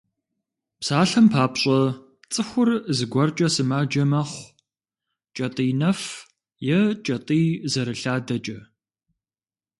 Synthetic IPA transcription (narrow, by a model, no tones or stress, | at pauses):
psaːɬɐmpʰaːpɕʼɐ | t͡sʼɨxʷʊrzɨɡʷɐrt͡ʃʼɐsɨmaːd͡ʒɐmɐχʷ | t͡ʃʼɐtʼiːnɐf | jɛt͡ʃʼɐtʼiːzɐɾɨɬaːdɐt͡ʃʼɐ